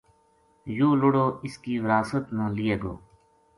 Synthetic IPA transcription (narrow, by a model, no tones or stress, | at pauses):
joːlʊɽoːɪskiːʋɪɾaːsət̪nãːlɪeːɡo̰ː